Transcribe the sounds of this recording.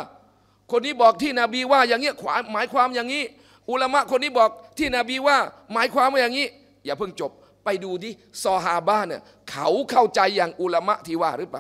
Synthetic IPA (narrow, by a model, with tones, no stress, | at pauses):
kʰo˧nːiː˦˥˩bɔː˨˩k̚t̪ʰiː˥˩naː˧biː˧waː˥˩jaː˨ŋːi˦˥ɐkʰwaː˨˩˦maː˨˦jkʰwaː˧mjaː˨˩ŋiː˦˥˨ | ʔu˧˩la˧ma˦˥ʔkʰo˧nːiː˦˥bɔː˨˩k̚t̪ʰiː˥˩naː˧biː˧waː˥˩maː˨˦jkʰwaː˧mwaː˥˩ja˨ŋiː˦˥ | jaː˨˩pʰɯ˥˩ŋt͡ɕo˨˩p̚ːa˧jduː˧t̪ʰiː˥˩sɔː˧ɦaː˧baː˥˩naː˧˩ | kʰa˦˩wkʰa˥˩wt͡ɕa˧jːaː˨˩ŋʔu˧˩la˧ma˦˥ʔt̪ʰiː˥˩waː˥˩ɾɯː˨˦˥paː˨˦